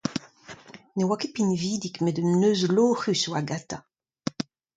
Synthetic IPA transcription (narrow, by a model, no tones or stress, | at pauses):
newakepinviːd̪ikmɛdənøːzloːχyswaɡat̪a